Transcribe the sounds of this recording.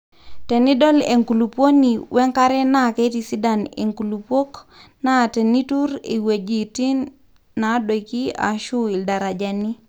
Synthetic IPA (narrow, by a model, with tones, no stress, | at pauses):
te˨ni˦dɔ˦lḛ˨ŋku˨lu˨pwo˦ni˨wʔɛ˦ŋka˦ɾɛ˦na˦˨ke˦ti˦si˦da˨nḛ˨ŋku˨lu˨pwo˦kna˦˨te˨ni˦tu˦ɾḭ˨we˨d͡ʒi˨ti˦nː | a˨˦do˨iki˦a̰˨ʃʊ˦i˨lda˨ɾa˨d͡ʒa˨ni˦